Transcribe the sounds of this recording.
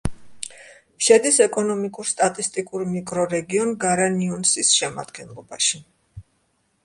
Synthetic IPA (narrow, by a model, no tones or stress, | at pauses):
ʃɛd̪isɛkʼɔnɔmikʼuɾst̪ʼat̪ʼist̪ʼikʼuɾmikʼɾɔɾɛɡiɔnɡaɾaniɔnsisʃɛma̰d̪̥ɡɛnlˠɔbaʃi